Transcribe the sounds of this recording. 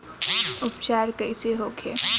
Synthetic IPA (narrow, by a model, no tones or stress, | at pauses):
ʊpt͡ʃaːɾkəɪseɦokʰḛː